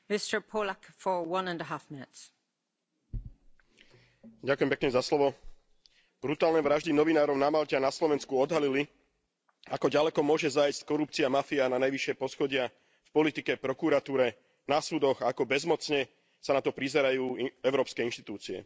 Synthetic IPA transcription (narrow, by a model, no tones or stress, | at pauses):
mɪstə˞pʰoːlakfə˞wʌ̃nə̃ndəɦafmɪnɪts | ɟakujɛmpɛkɲɛzaslɔʋɔ | b̥ɾut̪aːlnɛʋɾaʒd̪inɔʋinaːɾɔʊnamalcɛanaslɔʋɛnskuɔd̪ɦalili | akɔɟalɛkɔmʊɔʒɛzajsckɔɾup̚t͡siamafiananajʋiʃɪɛpɔsxɔɟɪa | fpɔlit̪ikɛpɾɔkuɾat̪uːɾɛ | nasuːd̪ɔɣaakɔbɛzmɔt͡sɲɛ | sanat̪ɔpɾizɛɾajuːɛʊɾɔːpskɛinʃt̪i̥t̪uːt͡siɛ̰